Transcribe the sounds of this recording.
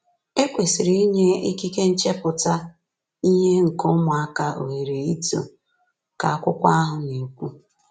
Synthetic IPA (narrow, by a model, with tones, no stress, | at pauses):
e˦kʷe˨si˨ɾi˦i˦ɲe˦i˦ki˦ke˦n̩˦t͡ʃe˦pʊ˨ta˦ | i˦ɲe˦ŋ̩˨kʊ˦mʊ˨a˦ka˦ʔo̰˨ɦe˨ɾe˨i˦to̰˨ | ka˨a˦kʷʊ˦kʷa˦a˦ɦʊ˨ni˨kʷu˦